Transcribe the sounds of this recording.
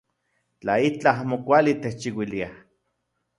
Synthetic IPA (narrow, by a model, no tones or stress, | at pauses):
t͡ɬait͡ɬaamokʷalit̪eht͡ʃiwiliah